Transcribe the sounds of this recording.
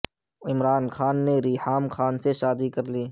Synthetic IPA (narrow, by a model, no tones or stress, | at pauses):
ɪmɾaːnxaːnːeɾiːhaːmxaːnseʃaːd̪ikɐɾliː